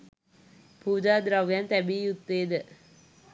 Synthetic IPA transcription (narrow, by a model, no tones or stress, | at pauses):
puːd͡ʒaːd̪ɾaʋjant̪æbiːjut̪ːeːd̪ə